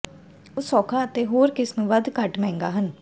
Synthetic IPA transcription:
osɔːkʰaːət̪eːɦoːɾkɪsmʋəd̪kəʈmɛ̃ːŋɡaːɦən

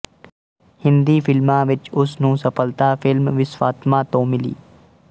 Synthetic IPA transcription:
hɪ̃nd̪iːfɪlmãːʋɪt͡ʃʊsnũːsəpəlt̪aːfʰɪlmʋɪswaːt̪mãːt̪õːmɪlḭː

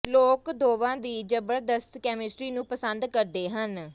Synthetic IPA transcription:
loːkd̪oːʋãːd̪iːd͡ʒəbəɾd̪əst̪kɛːmɪsʈɾiːnũːpəsənd̪kəɾd̪eːɦən

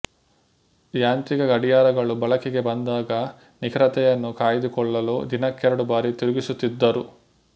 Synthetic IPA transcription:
jaːnt̪ɾiɡɐɡɐɽijaːɾɐɡɐɭubɐɭɐkɛɡe̞bɐnd̪aːɡɐ | nikʰɾɐt̪ɛjɐnːukaːjid̪ukɔɭːɐlṵːd̪inɐkːɛɾɐɽubaːɾit̪iɾuɡisut̪ːid̪ːɐɾu

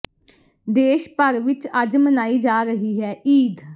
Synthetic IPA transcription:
d̪eːʃpəɾʋɪt͡ʃəd͡ʒmənaːiːd͡ʒaːɾəɦiːɦɛːiːd̪

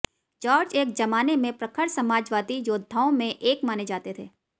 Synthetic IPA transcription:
d͡ʒaːɾd͡ʒeːk̚d͡ʒɐmaːnemẽpɾɐkʰəɽsɐmaːd͡ʒʋaːt̪ijoːd̪ʱaːõmẽʔeːkmaːned͡ʒaːt̪et̪ʰḛː

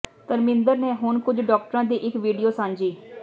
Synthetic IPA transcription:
t̪əɾmɪ̃nd̪əɾneːɦʊɳkʊd͡ʒɖɔːk̚ʈəɾãːd̪iːʔɪkʋiːɖijoːsãːnd͡ʒiː

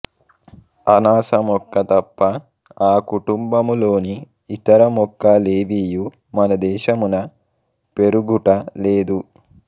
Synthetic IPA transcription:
ɐnaːsɐmɔkːɐt̪ɐpːɐ | aːkuʈumbɐmulo̞ːniː | t̪ɐɾɐmɔkːɐleːʋiːju | mɐnɐd̪ɛːʃɐmunɐ | pe̞ɾuɡuʈɐleːd̪u

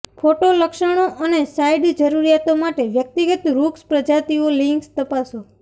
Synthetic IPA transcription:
pʰoʈoləkʃəɽ̃oʔənesajɖd͡ʒəɾuɾijat̪omaʈeʋjək̚t̪iɡət̪ɾukspɾəd͡ʒat̪iolĩŋkst̪əpaso

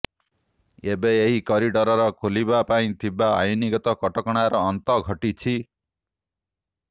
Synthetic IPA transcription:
ebeːɦikɔɾiɖɔɾɔɾɔkʰolibapaĩt̪ʰibaa̰juniɡɔt̪ɔkɔʈɔkɔɽ̃aɾɔːnt̪ɔɡʱɔʈit͡ʃʰi

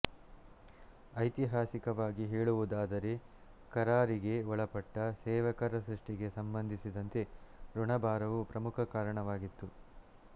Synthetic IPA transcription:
ɐjt̪iɦaːsikɐʋaːɡiɦeːɭuʋud̪aːd̪ɐɾe̞ | kɐɾaːɾiɡe̞ɔɭɐpɐʈːɐsɛːʋɐkɐɾɐsɾiʂʈiɡe̞sɐmbɐnd̪ʱisid̪ɐnt̪e̞ɾuɳɐbaːɾɐʋupɾɐmukʰɐkaːɾɐɳɐʋaːɡit̪ːu

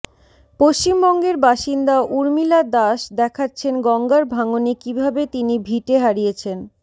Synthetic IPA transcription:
poʃt͡ɕimbɔŋɡeɾbaʃind̪aʔuɾmilad̪aʃd̪ɛkʰatːɕʰenɡɔŋɡaɾbʱaŋonikibʱabet̪inibʱiʈeɦaɾijet͡ɕʰen

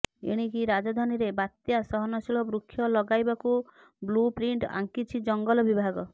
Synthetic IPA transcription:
ḛɽ̃ikiɾad͡ʒɔd̪ʱaniɾebat̪jasɔɦɔnɔsiɭɔbɾukʰːjɔlɔɡajbaku | blupɾiɳʈa̰ŋkit͡ʃʰid͡ʒɔŋɡɔlɔbibʱaɡɔ

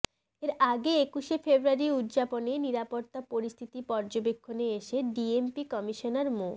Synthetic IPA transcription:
eɾaɡeekuʃefʰebɾuaɾiut̪ːd͡ʑaponeniɾapoɾt̪apoɾist̪ʰit̪ipɔɾd͡ʑobekʰːoneeʃeɖiempikɔmiʃonaɾmo

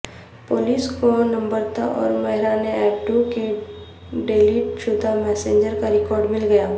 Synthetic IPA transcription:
poːliːskonɐ̃mbəɾt̪a̰ʔɔ̰ːɾmɛɦɪɾaːneɛːpʈuke | ɖeːliʈ̚ʃʊd̪ʱamɛːsẽːɲd͡ʒəɾkaɾɪkɔːɾɖmɪlɡɐjaː

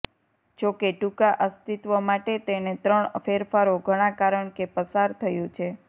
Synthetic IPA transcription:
d͡ʒokeʈukaʔəst̪it̪ʋəmaʈet̪enet̪ɾəɳfeɾfaɾoɡʱəɽ̃ãkaɾəɳkepəsaɾt̪ʰəjũt͡ʃʰe

